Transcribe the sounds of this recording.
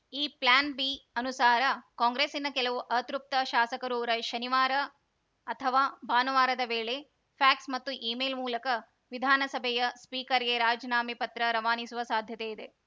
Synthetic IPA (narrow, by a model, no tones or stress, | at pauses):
iːplaːnbiɐnusaːɾɐkoːŋɡɾeːsinɐkɛlɐʋuʔɐt̪ɾup̚t̪ɐʃaːsɐkɐɾuːɾɐʃɐniʋaːɾɐː | t̪ʰɐʋaːbaːnɐʋaːɾɐd̪ɐʋeːɭe | pʰaːksmɐt̪ːuʔiːmeːlmuːlɐkɐ | ʋid̪ʱaːnɐsɐbʱɛjɐspiːkɐɾeɾaːd͡ʒɐnaːmipɐt̪ɾɐɾɐʋaːnisuʋɐsaːd̪ʱjɐt̪eid̪e